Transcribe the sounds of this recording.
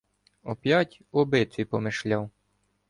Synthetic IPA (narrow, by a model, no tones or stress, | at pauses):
ɔpʲjɑtʲ | ɔbɪt̪ʲijpɔmɪʃlʲɑw